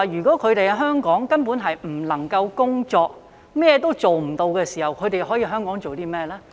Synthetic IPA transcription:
jyː˨˩kɔː˨˥kʰɵ˨˧ɾe˨jɐ˧ɦœː˥ŋkɔː˨˥ŋkɐ˥npuː˨˥nɦɐ˨jm̩˨˩lɐ˨˩ŋkɐ˧wkʊ˥ŋt͡ʃɔː˧k̚ | mɛː˥jɛː˧t̪o˥wt͡ʃo˨wm̩˨˩t̪o˧wkɛː˧siː˨˩hɐ˨˩wkʰɵ˨˧t̪e˨jɦɔː˨˥jiː˧ɦœː˥ŋkɔː˨˥ŋt͡ʃo˨wt̪iː˥mɛː˥˧lɛː˥

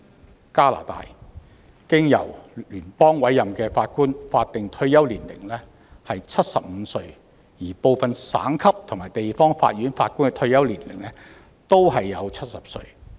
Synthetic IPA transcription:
kaː˥la̰ː˨˩t̪a̰ː˨j | kɪ˥ŋjɐ̰˨˩wlyː˨˩npɔː˥ŋwɐ˨˥jːɐ˨mkɛː˧faː˧t̚kuː˥nfaː˧t̚t̪ɪ˨ŋt̪ʰɵ˧˥ɥjɐ˥wliː˨˩nlɪ̰˨˩ŋlɛː˥ | hɐ˨jt͡sʰɐ˥t̚sɐ̰˨p̚m̩˨˧˦sɵ˧ɥ | jiː˨˩po˨wfɐ˨nsa̰ː˨˥ŋkʰɐ˥p̚t̪ʰŋmaː˨˩jt̪e˨jfɔː˥ŋfa̰ː˧t̚ɥyː˨˥nfaː˧t̚kuː˥nkɛ˧t̪ʰɵ˧˥ɥjɐ˥wliː˨˩nlɪ˨˩ŋlɛ˥ | t̪o˥wɦɐ˨jːɐ˨˧wt͡sʰɐ˥t̚sɐ˨p̚sɵ̰˧ɥ

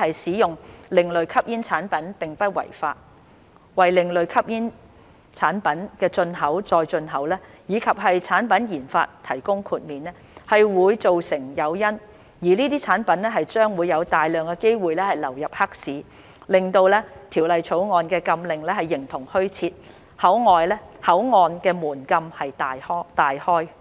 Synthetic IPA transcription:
hɐ˨jsiː˨˥jʊ˨ŋlɪ˨ŋlɵ˨ɥkʰɐ˥p̚jiː˥nt͡sʰaː˨˥npɐ˨˦˥npɪ˨ŋpɐ˥t̚wɐ̰˨˩jfa̰ː˧t̚ | wɐ˨jlɪ˨ŋlɵ˨ɥkʰɐ˥p̚jiː˥n | t͡sʰaː˨˥npɐ˨˥nkɛː˧t͡sɵ˧nɦɐ˨˥wt͡sɔː˨˧jt͡ʃɵ˧nɦɐ˨˥wlɛː˥jiː˨˧kʰɐ˨p̚ɦɐ˨jt͡sʰaː˨˥npɐ˨˥njiː˨˩nfa̰ː˧t̚t̪ʰɐ˨˩jkʊ˥ŋkʰuː˧t̚miː˨nɛː˥ | hɐ˨jwuː˨˧jt͡so˨wsɪ˨˩ŋjɐ˨˧wjɐ˥n | jiː˨˩niː˥t̪̬iː˥t͡sʰaː˨˥npɐ˨˥nlɛː˥ɦɐ˨jt͡ʃœː˥ŋwuː˨˧jːɐ˨˧wt̪aː˨jlœː˨ŋkɛ˧ke˥jwuː˨jlɛː˥hɐ˨jlɐ˨˩wjɐ˨p̚hɐ˥k̚siː˨˥ | lɪ˨ŋt̪o˧wlɛː˥t̪ʰiː˨˩wlɐ˨jt͡ʃʰo˨˥wŋɔː˧nkɛː˧kɐ˧mlɪ˨˩ŋlɛː˥hɐ˨jːɪ˨˩ŋt̪ʰʊ˨˩ŋhɵ˥ɥt͡sʰiː˧t̚ | hɐ˨˥wŋɔː˨jlɛː˥hɐ˨˥wŋɔː˨˧nkɛː˧muː˨˩nkɐ˧mhɐ˨jt̪aː˨jɔ˥t̪aː˨jhɔː˥j

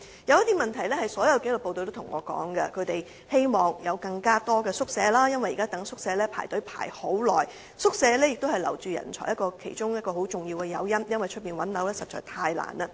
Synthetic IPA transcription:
jɐ˨˧wjɐ˥t̪i˥mɐ˨nt̪ʰɐ˨˩jlɛː˥hɐ˨jsɔː˨˥jɐ˨˧wke˨˥jlʊ˨˩po˧wt̪o˧t̪o˥t̪ʰʊ˨˩ŋɔː˨˧kɔ̰ː˨˥ŋɡɐ˧kʰɵ˨˧ɥt̪e˨j | he˥jmɔː˨˩ŋjɐ˨˧wkɐ˧ŋkaː˥t̪ɔː˥kɛː˧sʊ˥k̚sɛː˨˧laː˥jɐ˥nwɐ˨˩jiː˨˩kaː˥t̪ɐ˨˥ŋsʊ˥k̚sɛː˧lɛː˥pʰaː˨˩t̪ɵ˨˥ɥpʰa̰ː˨˩jho˨˥wlɔ̰ː˨˩j | sʊ˥k̚sɛː˨˧lɛː˥jɪ˨k̚t̪o˥hɐ˨jlɐ̰˨˩wt͡syː˨jɐ̰˨˩nt͡ʃʰɔ̰ː˨˩jɐ˥tkɔː˧kʰḛ˨˩jt͡ʃʊ˥ŋjɐ˥t̚kɔː˧ho˨˥wt͡sʊ˨ŋji˧wkɛ˧jɐ̰˨˧wjɐ˥mjɐ˥nwɐ˨jt͡ʃʰt̚piː˨nwɐ˨˥nlɐ˨˥wlɛː˥sɐ˨t̚t͡ʃɔː˨jt̪ʰaː˧jla̰ː˨˩nɐ˧

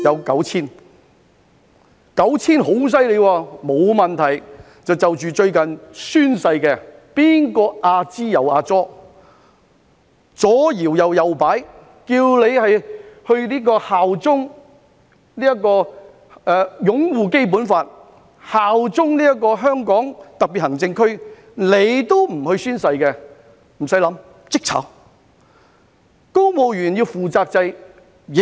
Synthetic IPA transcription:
jɐ˨˧wkɐ˨˥wt͡sʰiː˥n | kɐ˨˥wt͡sʰiː˥nɦo˨˥ws̬ɐ˥jle˨˧jwaː˧mo˨˧wmɐ˨nt̪ʰɐ˨˩j | t͡sɐ˨wt͡sɐ˨wt͡ʃyː˨t͡ʃɵ˧ɥkɐ˨nsyː˥nsɐ˧jkɛː˧piː˥nkɔː˧ʔaː˧t͡siː˥jɐ˨˩waː˧t͡sɔː˥ | t͡sɔː˨˥jiː˨˩wjɐ˨wjɐ˨wpaː˨˥j | kiː˧wle˨˧jhɐ˨jhɵ˧ɥliː˥k̬ɔː˧haː˨wt͡sʊ˥ŋ | niː˥jɐ˥kːɔː˧ | ɛː˧jʊ˨˥ŋwuː˨ke˥jp̬uː˨˥nfaː˧t̚ | haː˨wt͡sʊ˥ŋliː˥jɐ˥k̬ːɔː˧ɦœː˥ŋkɔː˨˥ŋt̪ɐ˨k̚pi˨t̚hɐ˨˩ŋt͡sɪ˧ŋkʰɵ˥ɥ | le˨˧jt̪o˥wm̩˨˩hɵ˧ɥsyː˥nsɐ˧jkɛ˧ | m̩˨˩sɐ˨˥jlɐ˨˧˥m | t͡sɪ˥k̚t͡sʰɐ̰˨˥w | ko˥wmo˨wjyː˨˩njiː˧wfuː˨t͡saː˧k̚t͡sɐ˧j | jɪ˨

